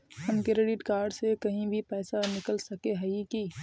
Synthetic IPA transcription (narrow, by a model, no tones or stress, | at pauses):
hɐmkeɾeɖɪʈkaːɾɖsekɐɦĩbʱipɛːsanɪkəlsɐkeɦɐiki